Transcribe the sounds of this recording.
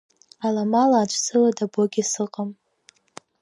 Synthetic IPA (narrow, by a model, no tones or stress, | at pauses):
alamalaːt͡ʃʷʰʼsɨladaboɡʲisɨqʼam